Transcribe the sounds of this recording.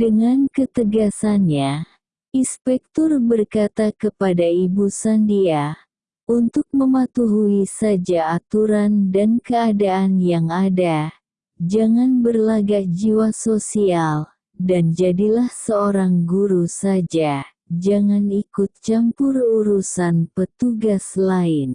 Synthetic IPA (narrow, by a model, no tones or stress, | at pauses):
dəŋankət̪əɡasanɲa | inspɛk̚t̪ɔrbərkat̪akəpadaibusandia | unt̪ʊk̚məmat̪uɦuisad͡ʒaːt̪uɾandankəadaːnjaŋada | d͡ʒaŋanbərlaɡad͡ʒiwasosial | dand͡ʒadilahsəoɾaŋɡuɾusad͡ʒa | d͡ʒaŋanikʊt̪̚t͡ʃampʊruɾusanpət̪uɡaslaɪn